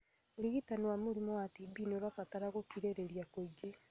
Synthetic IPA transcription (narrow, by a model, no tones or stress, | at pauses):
uliɣitaniwamuɾimoatibinoɾafataɾaɣokiɾeɾeɾjakoɟe